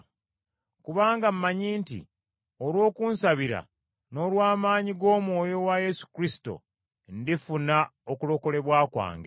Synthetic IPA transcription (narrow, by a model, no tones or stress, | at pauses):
kuβaːŋɡam̩mːaɲiːntḭ | olwo̞ːkuːnsaβiɾa̰ | no̞lwaːmaːɲiɡo̞ːmwo̞ːjo̞waje̞su̥kɾisi̥to̞̰ | ndifunaokulo̞ko̞le̞βwaːkwa̰ːŋɡe